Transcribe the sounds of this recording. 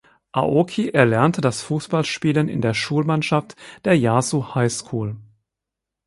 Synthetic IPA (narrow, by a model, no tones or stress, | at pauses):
ʔa̰ʔokʰiʔɛɐlɛɐntʰədasfuːsb̥alʃpiːlənɪ̰ndeːɐʃuːlmanʃaftd̥eːɐjaːzuhaɪskʰuːl